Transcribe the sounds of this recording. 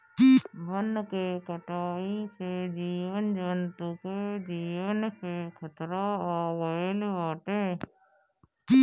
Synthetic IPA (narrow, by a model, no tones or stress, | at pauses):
bənːkekəʈaːised͡ʒiːwənd͡ʒənt̪uked͡ʒiːwənsekʰət̪ɾaɔːɾwəɪlɦaːʈeː